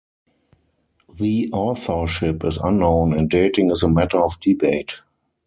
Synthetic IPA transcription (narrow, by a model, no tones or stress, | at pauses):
ðiʔɔːθə˞ʃɪpɪsãnːõʊ̃nɛ̃nt̚deɪtɪ̃ŋɪzəmætə˞ɔfdibeɪt